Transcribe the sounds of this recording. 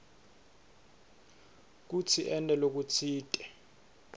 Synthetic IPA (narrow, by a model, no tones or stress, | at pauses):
k̬ut͡sʰiʔɛntʼɛlok̬ut͡sʰiːtʼɛ